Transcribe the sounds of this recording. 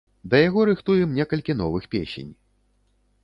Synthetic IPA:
d̪ɐjaɣɔɾɨxt̪ujɛmnʲɛkɐlʲkʲinɔvɨxpʲḛsʲḛnʲ

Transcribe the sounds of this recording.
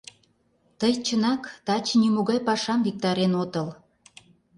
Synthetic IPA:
t̪əjt͡ɕənɑkt̪ɑt͡ɕnimoɣɑjpɑʃɑmvik̚t̪ɑɾenot̪əl

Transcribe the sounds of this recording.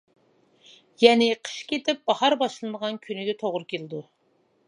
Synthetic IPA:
jɛnɪqʰə̥ʃkʲʰet̪ʰɪp̚bɑhɑɾbɑʃlˠɨnəʁɑnkʲʰynɪɡʲɛt̪ʰoʁɾɨkʲelɪd̪u

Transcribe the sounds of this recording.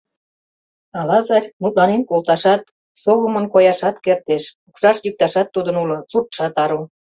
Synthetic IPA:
ɑlɑzɑɾʲmut̪̚lɑnenkolt̪ɑʃɑt̪̚ | soβəmə̆nkojɑʃɑt̪kert̪eʃukʃɑʃjyk̚t̪ɑʃɑt̪ːud̪ə̆nulŏsut̪̚ʃɑt̪ɑɾu

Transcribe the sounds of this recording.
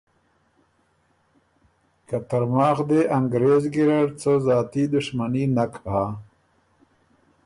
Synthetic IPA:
kat̪aɾmɑːxd̪eʔaŋɡɾezɡiɾaɾt͡səzɑːt̪id̪ʊʂmaninakʰaɦa

